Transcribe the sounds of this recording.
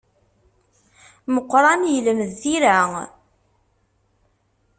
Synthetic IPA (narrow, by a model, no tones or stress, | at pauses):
məqːɾˤɑnjələmðːiɾa